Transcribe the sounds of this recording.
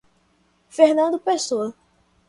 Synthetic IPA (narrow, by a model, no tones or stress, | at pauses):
fehnɐ̃nd̪ʊpesoɐ